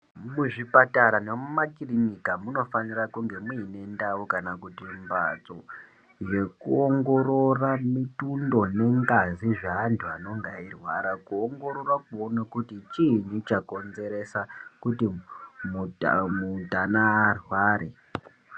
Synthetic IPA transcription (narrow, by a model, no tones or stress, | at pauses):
muʐipataɾane̞mumakirinikamuno̞fanirakuŋɡe̞miːne̞ndawukanakutimba̰t͡so | je̞kuoŋɡo̞ɾo̞ramitundo̞ne̞ŋɡaziʐaːntʰuano̞ŋɡairwaɾakuoŋɡo̞ɾo̞rakuonakutit͡ʃiɲut͡ʃako̞nze̞ɾe̞sakutimumutanaːrwaːɾe